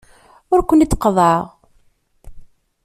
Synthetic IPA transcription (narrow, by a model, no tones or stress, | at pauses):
ʊɾkʷənit͡sːqəðˤəʁ